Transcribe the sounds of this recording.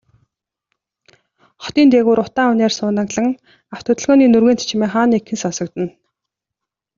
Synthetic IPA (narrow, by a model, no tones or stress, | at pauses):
χɔ̥t̪iːnt̪eɣuːɾʊt̪aːʊneːrsʊːnə̆kɮə̆ŋ | awt̪ʰɵt̪ɵ̆ɮɣɔːniːnɵrɣeːnt̪t͡ɕʰimeːχaːnːikʰːɘ̆nsɔnsɞ̆kt̪ɘ̆n